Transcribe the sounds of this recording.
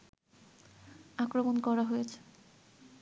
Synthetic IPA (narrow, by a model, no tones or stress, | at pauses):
akɾomonkɔɾaɦojet͡ɕʰe̥